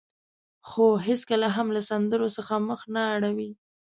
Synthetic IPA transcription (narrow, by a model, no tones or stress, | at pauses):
xoɦeskəlaɦamlasand̪əɾosəxaməxnaːɽawi